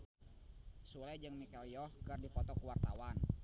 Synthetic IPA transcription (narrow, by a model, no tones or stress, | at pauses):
sulajd͡ʒɨŋmikaljɔhkɨrdipɔt̪ɔkuwart̪awan